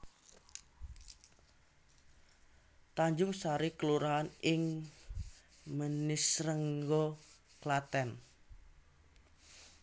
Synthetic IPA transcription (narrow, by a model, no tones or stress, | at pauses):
t̪aɲd͡ʒʊŋsaɾikəluɾaɦanɪŋ | mənisɾəŋɡɔ | klat̪ɛn